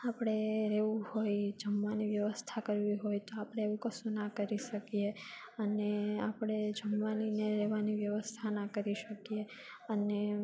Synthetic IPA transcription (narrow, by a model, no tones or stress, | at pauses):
apəɽ̃eɾɛʋũhojd͡ʒəmːaniʋjəʋəst̪ʰakəɾʋiɦojt̪oapɽ̃eeʋũkəsũnakəɾiʃəkije | əneapɽ̃ed͡ʒəmʋanineɾɛʋaniʋjəʋəst̪ʰanakəɾiʃəkie | əne